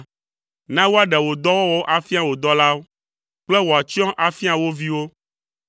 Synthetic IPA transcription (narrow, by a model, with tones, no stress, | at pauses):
nã˦wo˦a˦ɖɛ˨wo˨d̪ɔ˦wɔ˦wo˦ʔa˨fi˦a˨wo˨d̪ɔ˦la˦wo˦ | k͡plɛ˦wo˨a˨t͡ɕi˦ɔ̃˦ʔa˨fi˦a˨wo˦vi˦wo˦